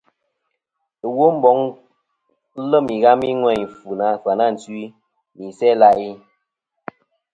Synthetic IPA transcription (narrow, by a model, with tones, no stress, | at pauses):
wo˦m̩˦bɔ˨˦ŋ˦ | lə˦mi˨ɣa˦mi˦ŋwɛ˦˨fu˨na˨˦˨fwa˨na˦˨n̩˨t͡sɥi˦ | mi˨sɛ˦la˦ʔi˦